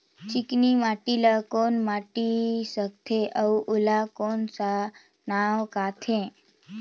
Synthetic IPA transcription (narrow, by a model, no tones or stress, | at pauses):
t͡ʃiknimaʈilakonmaʈisək̚t̪ʰeʔəwʔulakonsa | naʋkat̪ʰẽ